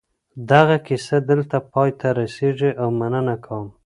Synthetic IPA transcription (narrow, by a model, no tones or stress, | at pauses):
d̪aɣakɪsad̪əlt̪apɑjt̪aɾaseʐiʔawmanənakʰawəm